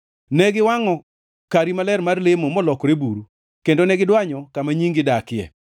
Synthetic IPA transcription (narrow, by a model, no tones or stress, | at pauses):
nɛɡɪwaŋɔ | kaɾimalɛrmarlemomɔlɔkɾebuɾu | kendonɛɡɪdwaɲɔkamaɲiŋɡɪdakɪjɛ̰